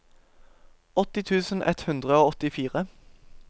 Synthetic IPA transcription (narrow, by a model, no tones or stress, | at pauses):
ɔt̪ɪt̪ʰʉːsn̩ʔɛ̰t̪hʉnd̪ʁəoːɔt̪ɪfiːʁə